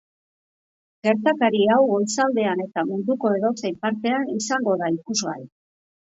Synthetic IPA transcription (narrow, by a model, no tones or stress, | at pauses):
ɡe̞ɾt̪akaɾiawɣo̞lsald̪e̞ane̞t̪amund̪uko̞e̞ðo̞sejmpaɾt̪e̞anisaŋɡo̞ðaikuzɣaɾi